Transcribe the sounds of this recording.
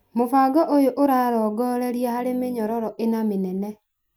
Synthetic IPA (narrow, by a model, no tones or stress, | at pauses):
mofaɡɔʔojoʔoɾaɾɔɡɔɾeɾjehaɾemeɲɔɾɔɾɔʔenamenɛnɛ